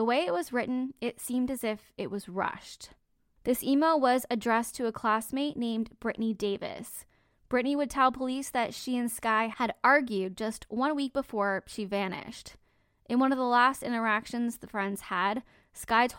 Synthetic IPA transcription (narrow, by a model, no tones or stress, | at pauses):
əweɪɨt̚wʌzɹɪʔn̩ɪtsĩmdɨzɪfɨʔ̚wʌzɹʌ̰ʃt | ðɪsimelˠwʌzɨdɹɛstʰɨːkʰl̥æsmeɪʔⁿnẽɪ̃mb̥ɹɪʔnideɪvɨ̰s | b̥ɹɪʔniwɨd̚tʰɛlˠpʰəlisðɨtʃiɨ̃nskaɪhɨɾɑɹɡjʉd̚d͡ʒʌst̚wʌ̃nwik̚b̥əfɔɹʃivænɪ̰ʃt | ʔɨ̃nwʌ̃nʌvðəlæstɪ̰̃ɾ̃ə˞ækʃɨ̃nzðəfɹɛ̃ndz̥əd̚ | skaɪz